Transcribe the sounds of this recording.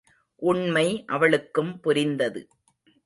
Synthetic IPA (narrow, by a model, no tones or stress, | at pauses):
ʔʊɳmɐɪʔɐʋɐɭɯkːɯmpʊɾɪnd̪ɐðɯ̰